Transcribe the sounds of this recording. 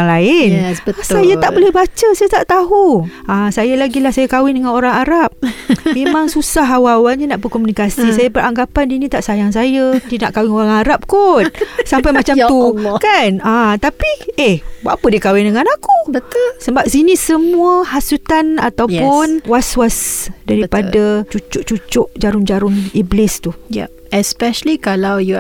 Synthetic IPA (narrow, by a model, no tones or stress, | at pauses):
ŋlaɪntsajat̪aʔbolɛhbat͡ʃəsajat̪aʔt̪aɦuãsajalaɡilahsajakawɪŋdəŋanoɾaŋaɾap̚memãŋsusaɦawawalɲanaʔbəkomunikasisajabəɾaŋɡapandinĩt̪aʔsajaŋs̬ajadinaʔkawɪŋoɾaŋaɾap̚kunsampajmat͡ʃamt̪uukanãt̪apiehba̰ʔpədikawɪndəŋanakubət̪ulsəbap̚sinisəmũəhasut̪ana̰t̪awʊnwaswasdaɾipadat͡ʃut͡ʃʊʔt͡ʃut͡ʃʊʔd͡ʒaɾʊnd͡ʒaɾʊniblɪst̪ujɛ̰ | ɛspɛʃəlikalawju